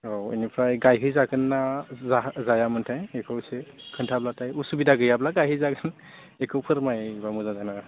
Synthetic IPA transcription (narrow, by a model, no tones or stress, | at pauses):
owḭnipʰɾajɡajɦɯjzaɡɯnːazazajamɯntʰajekʰɯwsekʰɯntʰablatajusubidaɡɯjablaɡajɦɯjzaɡɯn | ekʰɯwpʰɯɾmajbamuzazana